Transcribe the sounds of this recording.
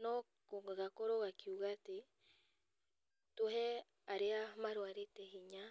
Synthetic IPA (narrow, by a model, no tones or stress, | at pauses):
no | koaɣakoɾoɣakiuɣat̪e | t̪oɦe | aɾeamaɾwaɾet̪eɦiɲa